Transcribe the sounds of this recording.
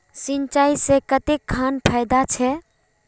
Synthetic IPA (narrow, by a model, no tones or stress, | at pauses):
sint͡ʃaisẽkət̪ekʰːanpʰajd̪at͡ʃʰɛ